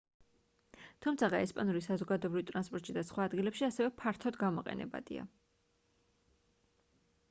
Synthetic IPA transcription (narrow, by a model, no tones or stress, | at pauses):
t̪ʰumt̪sʰaʁaɛspʼanuɾisazɔɡad̪ɔɛbɾivt̪ʼɾanspʼɔɾt̪ʼʃid̪asχwaːd̪ɡilɛpʃiasɛvɛpʰaɾt̪ʰɔd̪ɡamɔqʼɛ̰nɛ̰ba̰d̪̥ḭa̰